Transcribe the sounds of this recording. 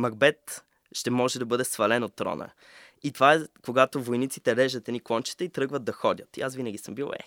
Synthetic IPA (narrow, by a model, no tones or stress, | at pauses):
mɐɡ̚bɛt̪ | ʃt̪ɛmɔʒɛd̪ɐbɤd̪ɛsvɐlɛnot̪ːɾɔ̰nə̰ | it̪ovaɛkoɡat̪ovojnit̪sit̪ɛɾɛʒd̪ət̪ɛniklˠɔnt͡ʃi̥t̪ɛit̪ɾɤɡvətd̪̚d̪ɐxɔdʲət̪iasvinɐɡʲisəmbilˠɛ̰